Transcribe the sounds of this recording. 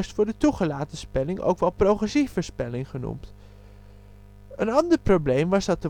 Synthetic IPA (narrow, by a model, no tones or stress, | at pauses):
stfʊːɹdətuχəlaːtəspɛlɪŋʔo̰wkʋɛlˠprowχrɛsifəɹspɛlɪŋχənṵmt | ənɑndəɹprowblejmʋɑzdɑt̚də